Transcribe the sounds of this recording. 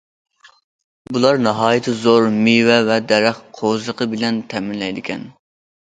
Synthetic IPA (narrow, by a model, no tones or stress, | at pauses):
bulˠɑɾnɑɦɑːjɪt̪ʰɨzoɾmiwɛvɛd̪ɛɾæχqʰozˠəqʰəbɪlɛnt̪ʰɛmɪnlɛjd̪ɪkʲʰɛn